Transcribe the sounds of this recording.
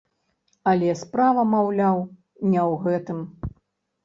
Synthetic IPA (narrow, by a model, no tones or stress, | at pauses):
ɐlʲɛspɾavɐmawlʲaw | nʲɛwɣɛt̪ɨm